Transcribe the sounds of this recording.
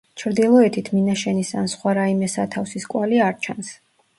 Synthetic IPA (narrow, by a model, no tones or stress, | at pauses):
t͡ʃʰɾd̪ilˠɔɛt̪ʰit̪ʰminaʃɛnisa̰nsχwaɾaimɛsat̪ʰafsiskʼwaliaɾt͡ʃʰans